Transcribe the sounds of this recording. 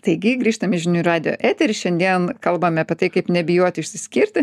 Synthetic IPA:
t̪ɐɪɡʲɪɡɾʲiːʃt̪ɐmʲɪʒʲɪnʲuːrɑːd̪ʲɪjo̰ːʔæːt̪ʲɛɾʲɪʃʲɛnd̪ʲiɛnkɐlˠbɐmʲɪɐpʲiɛt̪ɐɪkɐɪpnʲɛbʲɪjoːt̪ʲɪʊʃʲsʲɪsʲkʲɪɾʲt̪ʲɪ

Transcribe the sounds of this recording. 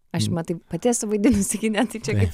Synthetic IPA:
ɐʃmɐt̪ɐɪppɐt̪ʲeːsʊʋɐɪd̪ʲɪnʊsʲɪɡʲɪnʲɛt̪ɐɪt͡ʃʲɛkɐɪp

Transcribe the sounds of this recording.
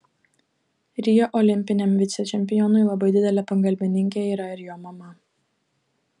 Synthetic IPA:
ɾʲɪjoʔɔlʲɪmʲpʲɪnʲɛmʋʲɪt̪sʲɛt͡ʃʲɛmʲpʲɪjɔnʊɪlˠɐbɐɪd̪ʲɪd̪ʲɛlʲɛpɐŋɡɐlʲbʲɪnʲɪŋʲkʲeiːɾɐɪɾjoːmɐmɐ

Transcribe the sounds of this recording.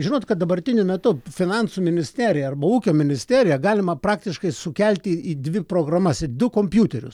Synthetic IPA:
ʒʲɪnoːt̪kɐt̪d̪ɐbɐrʲt̪ʲɪnʲʊmʲɛt̪ʊfʲɪnɑnsumʲɪnʲɪsʲt̪ʲæːɾʲɪjɛɐrbɐuːkʲoːmʲɪnʲɪsʲt̪ʲæːɾʲɪjɛɡɑːlʲɪmɐpɾɑːkt̪ʲɪʃkɐɪsʊkʲɛlʲt̪ʲiiːd̪ʲʋʲɪpɾoːɡɾɐmɐsɪd̪ʊkoːmʲpʲjuːt̪ʲɛɾʲʊ̰s

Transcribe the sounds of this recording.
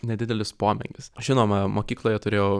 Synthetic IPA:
nʲɛd̪ʲɪd̪ʲɛlʲɪspoːmʲɛ̰ŋʲɡʲkʲɪsʒʲɪnoːmɐmoːkʲiːklˠoːjɛt̪ʊɾʲeːjɛʊ

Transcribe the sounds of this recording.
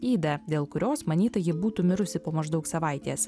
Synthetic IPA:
iːd̪ɐd̪ʲeːlˠkʊɾʲoːsmɐnʲiːt̪ɐjɪbuːt̪ʊmʲɪɾʊsʲɪpoːmɐʒd̪ɒʊksɐʋɐˑɪt̪ʲeːs

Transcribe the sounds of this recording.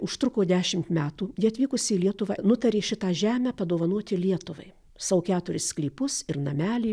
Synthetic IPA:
ʊʃt̪ɾʊkoːd̪ʲæːʃʲɪmt̪mʲæːt̪uːjiɐt̪ʲʋʲiːkʊsʲɪːlʲiɛt̪ʊʋɑnʊt̪ɐɾʲeːʃʲɪt̪ɑːʒʲæːmʲæːpɐd̪oːʋɐnuɔt̪ʲɪlʲiɛt̪ʊʋɐ̰ɪ | sɐʋʊkʲæːt̪ʊɾʲɪssklʲiːpʊsɪɾnɐmʲæːlʲiː

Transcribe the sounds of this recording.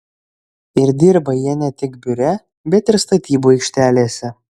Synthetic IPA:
ɪɾd̪ʲiɾbɐjiɛnʲɛt̪ʲɪɡbʲʊɾʲɛ | bʲɛt̪ɪɾst̪ɐt̪ʲiːbuːɛɪkʃʲt̪ʲæːlʲeːsʲɛ

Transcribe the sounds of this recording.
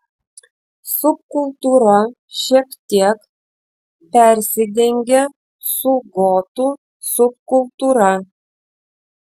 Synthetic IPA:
sʊp̚kʊlˠt̪uːɾɐ | ʃʲiɛkt̪ʲiɛk | pʲɛɾʲsʲɪd̪ʲɛŋʲɡʲe | sʊɡoːt̪u | sʊp̚kʊlˠt̪uːɾɐ

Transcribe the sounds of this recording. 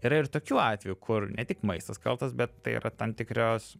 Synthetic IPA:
iːɾɐɪrt̪oːkʲuːɑːt̪ʲʋʲɛjukʰʊrnʲɛt̪ʲɪkmɐɪst̪ɐskɐ̰lˠt̪ɐsbʲɛt̪t̪ːɐɪḭːɾʔɐt̪ɐmt̪ʲɪkɾʲoːs

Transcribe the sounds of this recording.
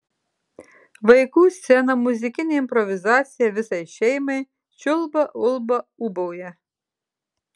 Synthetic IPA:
ʋɐjkusʲt̪sʲɛnɐmuzʲɪkʲɪnʲiimpɾɔʋʲɪzɑt͡sʲijɐʋʲɪsɐjʃɛjme | t͡ʃɔlˠbɐʔɔlˠbɐubɔwjɐ

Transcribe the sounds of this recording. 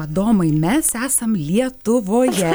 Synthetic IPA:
ɐd̪oːmɐɪmʲɛsæːsɐmlʲiɛt̪ʊʋoːjɛ

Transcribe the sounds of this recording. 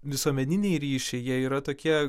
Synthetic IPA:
ʋʲɪsuɔmʲɛnʲɪnʲɛɪɾʲiːʃʲɛɪjiɛiːɾɐt̪oːkʲiɛ

